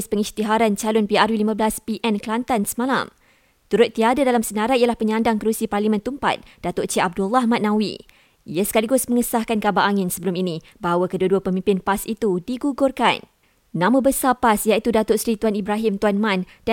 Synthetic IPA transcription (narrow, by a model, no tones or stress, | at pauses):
spəŋist̪iɦaɾant͡ʃalʊnpiarjulimãblaspiʔɛnklant̪ansəmãla̰m | t̪uɾʊt̪ːiadadalamsənaɾaialahpəɲãndaŋkəɾusiparlimɛ̃nt̪umpa̰t̪̚d̥at̪ʊʔt͡ʃiʔab̚dulːahmãt̪̚nãwḭ | ʔḭjasə̥kaliɡʊsmə̃ŋəsahkankabaʔaŋɪ̃nsəbəluminĩ | baɦawakəduəduəpəmĩmpɪnpasit̪udiɡuɡʊrkanː | ãmə̃bəsapasjait̪udat̪ʊʔsɾit̪uanibɾaɦɪmt̪uanmãn | d̥a